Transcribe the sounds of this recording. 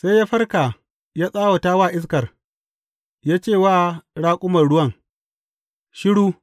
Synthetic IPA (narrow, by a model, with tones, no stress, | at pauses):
sa˦jːaː˦ɸɐ˦rka˨ | jaː˦sʼaː˦wa˨taː˦waː˦˨ʔɪ˦s̬kɐ˨r | jaː˦t͡ʃeː˦˨waː˦˨ɽaː˦kʷʼʊ˦mɐ˨rɽʊ˦wɐ˦ŋ | ʃɪ˦ɽuː˦